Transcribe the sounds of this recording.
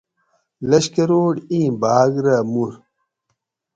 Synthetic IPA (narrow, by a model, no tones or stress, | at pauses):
lɐɕkɐɾoːɽĩːbaːɡɾɐmuɾ